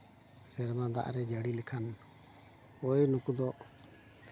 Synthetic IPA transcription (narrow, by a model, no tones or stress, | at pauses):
sɛɾmãd̪a̰ʔɾɛd͡ʒəɽilikʰan | ojnukud̪ɔ